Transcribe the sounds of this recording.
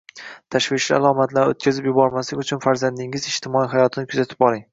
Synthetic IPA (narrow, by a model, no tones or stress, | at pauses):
t̪ʰaʃvɪʃlia̰lˠɒmat̪ʰlaɾo̰t̪̚kʲʰazɪpjʊbɒɾmaslɪkʲʊt͡ʃʰʊnfaɾzand̪ɪŋɪzɪʃt̪ʰɪmɒiɦajɒt̪ʰɪnɪkʰʊzat̪ʰɪ̥pɒlˠɪŋ